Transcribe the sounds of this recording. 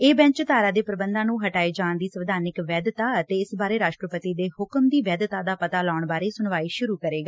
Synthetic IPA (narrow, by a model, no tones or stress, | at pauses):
eːbɛ̃ɲt͡ʃt̪aːɾaːd̪eːpəɾəbənd̪ãːnũːɦəʈaːiːd͡ʒaːɳd̪iːsəʋd̪ʱaːɾnɪkʋɛːd̪t̪aːət̪eːɪsbaːɾeːɾaːʃʈɾəpət̪iːd̪eːhʊkmd̪iːʋɛːd̪t̪ãːd̪aːpət̪aːlaːʊɳbaːɾeːsʊɳʋaːiːʃʊɾuːkəɾeːɡaː